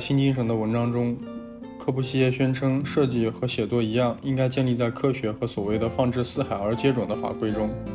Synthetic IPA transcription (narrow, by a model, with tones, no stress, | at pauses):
ɕʰi˥nt͡ɕi˥ŋʂ̬ɤ˧˥ŋd̪ə˧wə˧˥nʈ͡ʂɑ˥ŋʈ͡ʂʊ˥ŋ | kʰɤ˥˧pʰu˥˩ɕi˥jɛ˥˩ɕɥɛ˥nʈ͡ʂʰɤ˥ŋʂɤ˥˧t͡ɕi˥˩xɤ˧˥ɕjɛ˨˩t͡swɔ˥i˧˥jɑ˥˩ŋi˥ŋka˥ɪt͡ɕjɛ˥˧nli˥˧t͡sa˥˧ɪkʰɤ˥ɕɥɛ˧˥xɤ˧˥swɔ˨˩we˥˩ɪd̪ə˩fɑ˥˧ŋʈ͡ʂɻ̩˥˧sɹ̩˥˩xa˨˩ɪə˞˧˥t͡ɕjɛ˥ʈ͡ʂwə˨˩nd̪ə˦xwa̰˧˥kwe˥ɪʈ͡ʂʊ˥ŋ